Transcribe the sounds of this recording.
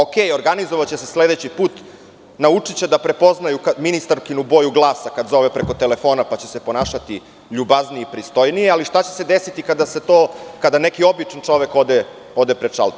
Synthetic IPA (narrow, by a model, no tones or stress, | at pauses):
okeːjo̞ɾɡanizoʋat͡ɕesesle̞d̪et͡ɕipuːt̪ | naut͡ʂit͡ɕed̪apɾe̞po̞znajukaminist̪aɾkinubo̞juɡlˠaːsakad̪zo̞ʋepɾeko̞t̪e̞le̞fo̞ːnapat͡ɕese̞po̞naːʃat̪i | ʎubaznieipɾist̪o̞jnijealiʃt̪at͡ɕese̞d̪esit̪ikad̪ase̞t̪oːkad̪ane̞kio̞bit͡ʂant͡ʂo̞ʋekod̪e | o̞d̪e̞pɾeʂa̰lˠt̪